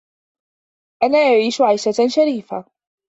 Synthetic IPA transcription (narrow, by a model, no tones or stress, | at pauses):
ʔanaːʔaʕiːʃʊʕajʃaʃaɾiːfa